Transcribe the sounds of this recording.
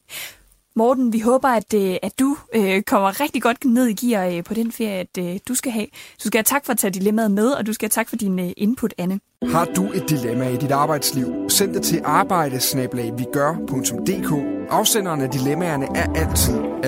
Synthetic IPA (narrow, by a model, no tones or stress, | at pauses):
mɒːd̥n̩ʋiɦɔ̽ːb̥ɐæd̥øæ̥ːuøkʰɒ̽m̰ɐʁɛɡ̥d̥iɡ̥ɒ̽d̥̚ne̝ð̞̰ˠiɡ̥ḭːɐpʰɒ̽ɾ̥enfe̝ɐ̰jəæd̥usɡ̥æɦɛ̰ːd̥usɡ̥ææt͡sʰɑ̈ɡ̥fɒ̥̽t͡sʰɛ̰ːd̥ilemæð̩ˠmeð̞ˠɒ̽d̥usɡ̥ææt͡sʰɑ̈ɡ̥fɒ̽d̥inʔe̝npʰud̥ænə | hɑ̈d̥ue̝d̥̚ːilemæid̥id̥ɑ̈ːb̥ɑ̈ɪ̰d̥sliʊ̰sen̰d̥et͡sʰe̝lʔɑ̈ːb̥ɑ̈ɪ̰ɾ̥əsnɛːb̥lɛɪʋiɡ̥ɶɐpʰɔ̽ŋt͡sʰɔ̽md̥e̝̰ːkʰɔ̰̽ːʔɑ̈ʊsen̰ɐːnæd̥ilemæɐnəʔæɐʔæl̰t͡sʰið̰ˠ